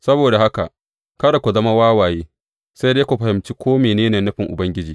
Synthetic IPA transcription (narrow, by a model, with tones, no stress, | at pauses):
sɐ˦boː˨da˨ha˦ka̰˨ | kɐ˦ɽa˨kʷu˨zɐ˦ma˦waː˦waː˨jeː˦ | sa˦jdeː˦kʷu˨ɸɐ˨hɪ˨mt͡ʃiː˦kʷoː˦meː˨neː˦neː˨nɐ˦ɸɪ˨ŋʔʊ˨bɐ˦ŋɡʲɪ˦d͡ʒiː˨